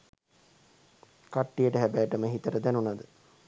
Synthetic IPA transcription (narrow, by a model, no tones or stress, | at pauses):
kaʈːijəʈəɦæbæːʈəməɦit̪əɾəd̪ænunad̪ə